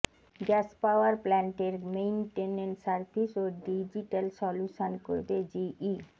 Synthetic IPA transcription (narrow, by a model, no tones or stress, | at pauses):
ɡɛspawaɾplɛɳʈeɾmejnʈeneɳʈsaɾt̪ʰiʃoɖid͡ʑiʈalsɔluʃonko̰ɾbed͡ʑii